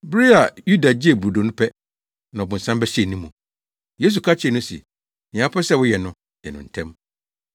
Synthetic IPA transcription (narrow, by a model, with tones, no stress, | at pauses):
bɪ˦ɾɪ˦a˨ju˦da˨d͡ʑɪ˦e˨bɾu˨do˨nʊ̃˦pʰɛ˦ | nã˨ɔ˨bʊ̃˨sã˦mbɛ˦ɕi˦ɛ˨nĩ˦mũ˨ | je˦s̬u˨kʰa˦t͡ɕʰnʊ̃˦sḭ˨ | nɪ̃˨ã˨˦pʰɛ˦sɛ˦˨wʊ˦jɛ˨nʊ̃˦ | jɛ˨nʊ̃˨n̩˨tʰɛ̃˦m